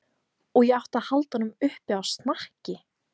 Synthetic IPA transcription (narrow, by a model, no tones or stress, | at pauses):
ɔɣjɛɣaht̪aðhalt̪anːʏmʏhpɪawst̪nahcɪ